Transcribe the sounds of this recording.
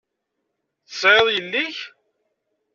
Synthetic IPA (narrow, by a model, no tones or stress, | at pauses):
θə̥sˤʕeðˤjəlːiç